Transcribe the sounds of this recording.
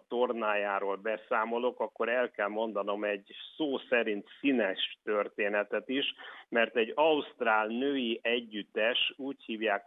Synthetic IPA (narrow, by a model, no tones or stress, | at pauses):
t̪o̞rnaːjaːɾoːlbɛsaːmo̞lo̞kɒkːo̞ɾɛlkɛlmo̞nd̪ɒno̞mɛɟsoːsɛɾint̪sinɛʃt̪ørt̪eːnɛt̪ɛt̪iʃmɛrt̪ɛɟɒust̪raːlnøːjiʔɛɟːyt̪ːɛʃuːchiːvjaːk